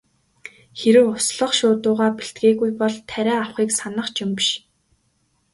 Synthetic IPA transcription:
xeɾɘ̆wʊsɮɞ̆χʃʊːt̪ʊːʁaːpiɬt̪̚ɡeːɣujpɔɮt̪ʰæɾæːawχiːksanə̆χt͡ɕɪ̆mpʃ

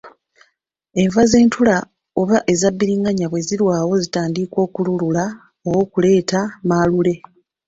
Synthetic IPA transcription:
e̞ɱvaze̞ːntʰula | oβaʔe̞zabːiɾiːŋɡaɲaβwe̞ziɾwaːwo̞zitaːndikwo̞ːkululula | owo̞ːkule̞ːtamalule̞

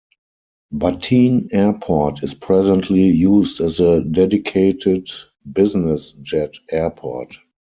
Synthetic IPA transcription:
batʰĩːnɛpʰɔtɪspʰɹɛzə̃ntʰlijuːsdɛzədɛdikʰeɪtɪd | bɪznɪsd͡ʒɛtɛɐpʰɔt

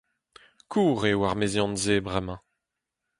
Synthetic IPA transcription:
kʰuːʁewaʁmezjɑ̃nzebʁɛmɑ̃

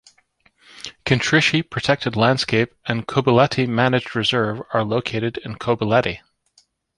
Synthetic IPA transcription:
kʰɨ̃ntʰɹ̥ɪʃipʰɹ̥ɨtʰɛk̚tʰɨdˡlæ̃nd̥skeɪpɨ̃nkʰoʊbəlɛɾimænɨd͡ʒɹɨzɜ˞və˞loʊkʰeɪɾɨɾɪ̃nkʰoʊbəlɛɾi

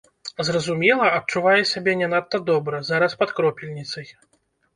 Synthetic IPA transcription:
zrɐzumʲɛlˠɐɐt̪̚t͡ʂuvajɛsʲabʲɛnʲɛnat̪ːɐd̪ɔbɾɐzaɾɐspɐt̪kɾɔpʲilʲnʲit̪sɐj

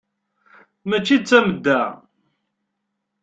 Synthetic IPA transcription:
mæt͡ʃːid̪̚t͡sːæməd̪ːæ

